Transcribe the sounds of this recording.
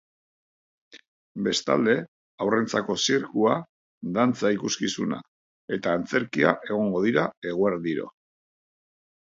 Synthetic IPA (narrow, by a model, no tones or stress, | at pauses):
be̞st̪a̰ld̪e̞ | awre̞nt͡sako̞siɾkua | d̪ant͡saikuskisuna̰ | e̞t̪aːnt͡se̞ɾkia̰ʔe̞ɣ̞o̞ŋɡo̞ðiɾae̞ɣ̞oeɾðiɾo̰